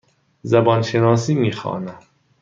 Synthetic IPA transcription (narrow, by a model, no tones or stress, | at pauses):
zæbɒnʃenɑːs̬iːmiːxɑ̰ːnæ